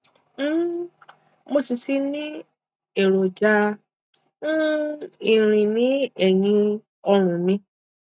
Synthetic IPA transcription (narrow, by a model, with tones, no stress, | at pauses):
mo˦˨si˨ti˦nĩ˦ | e˨ɾo˨d͡ʒa˧˦ | i˨ɾ̃ĩ˨nĩ˨˦ɛ˦˨jĩ˧ | ɔ˧ɾ̃ũ˨nĩ˧